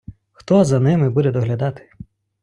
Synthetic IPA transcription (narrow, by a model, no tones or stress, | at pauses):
xt̪ɔzɐnɪmɪbud̪ɛd̪ɔɦlʲɐd̪ɑt̪ɪ̥